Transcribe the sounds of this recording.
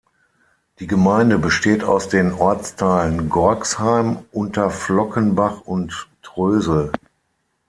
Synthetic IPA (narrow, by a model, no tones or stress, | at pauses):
d̥iːɡəmaɪndəbəʃteːta̰ʊsd̥eːnɔɐt͡stʰaɪlənɡɔɐkshaɪmʔʊntʰɐflɔkənbaχʊntː | ʁ̥øːzl̩